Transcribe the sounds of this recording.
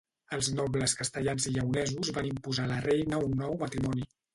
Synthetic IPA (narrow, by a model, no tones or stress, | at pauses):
əlˠznɔbləskəst̪əʎanziʎəunɛzuzβanimpuzalərejnəunːɔwmət̪ɾimɔni